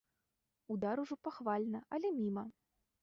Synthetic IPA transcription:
ud̪aɾuʐɔpaxvalʲnɐʔɐlʲɛmʲimɐ

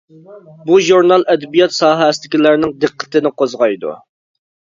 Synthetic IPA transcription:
buʒuɾnɑlˠɛd̪ɪbijɑt̪sɑːɦɛsɪd̪ɪkʲilæɾnɪŋd̪ɨqːə̥t̪ɪnɪqozʁɑjd̪ṵ

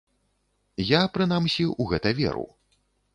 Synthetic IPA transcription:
japɾɨnamsʲiuɣɛt̪ɐvʲɛ̰ɾṵw

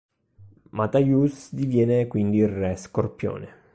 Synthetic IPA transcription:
mat̪ajusd̪ivjɛːnekwind̪irrɛskorpjo̰ːne

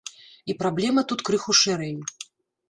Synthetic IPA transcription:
ipɾablʲɛmɐt̪ut̪kɾɨxuʂɛɾɛj

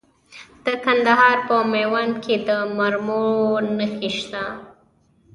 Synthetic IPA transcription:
d̪̥əkand̪aɦɑɾpəmewankʰed̪əmaɾmonəxiʃt̪a

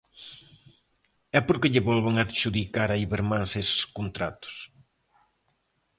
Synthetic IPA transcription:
ɛpoɾkɪʎɪβɔlβaŋaðʃuðikaɾaiβeɾmãŋseskont̪ɾa̰t̪ʊ̥s

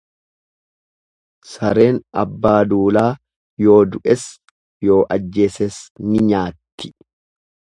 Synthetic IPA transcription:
sɐɾe̞ːnɐbːaːd̪uːlaː | jo̞ːd̪ʊʔɛs | jo̞ːʔɐd͡ʒːe̞ːsɛsnɪɲaːt̪ːɪ̥

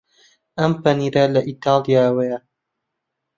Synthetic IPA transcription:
ɐmpɐniːɾɐlɐʔit̪aːlˠijawɐjɐ

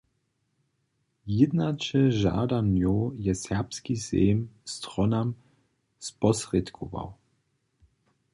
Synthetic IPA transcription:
jɪd̪nat͡ʃɛʒa̰ːdamjowjɛsɛʁpskizḛːmst̪ʁɔnam | spɔsʁɛt̪kʰɔva̰w

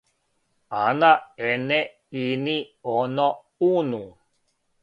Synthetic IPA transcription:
anaene | inionɔ | unu

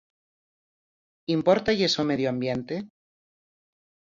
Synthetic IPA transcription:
impoɾt̪ajesomeðjoambjent̪e

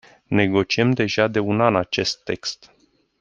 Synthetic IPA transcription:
ne̞ɡo̞t͡ʃiemd̪e̞ʒad̪e̞unanat͡ʃe̞st̪ːe̞kst̪

